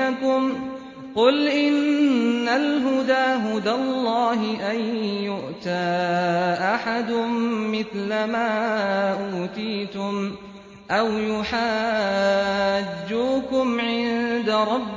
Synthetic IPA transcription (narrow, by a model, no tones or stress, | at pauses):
akʊm | qʊlʔɪnːalɦʊd̪aːɦʊd̪alˤːɑːɦɪʔanjʊʔt̪aːʔaħad̪ʊmːɪθlamaːʔuːt̪iːt̪ʊm | ʔawjʊħaː | d͡ʒːuːkʊmʕɪnd̪aɾˤɑbː